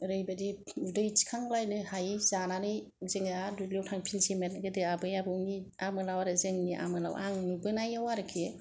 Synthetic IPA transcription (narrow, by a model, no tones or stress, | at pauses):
ɾɯjbadiudɯjt͡ʃi̥kʰaŋlajnɯhajzananɯj | zeŋɯadulewtʰaŋpʰilzimenɡɯdɯabɯjabɯwniamɯlawaɾɯzeŋniʔa̰mɯla̰waŋnubɯnajawaɾɯkʰie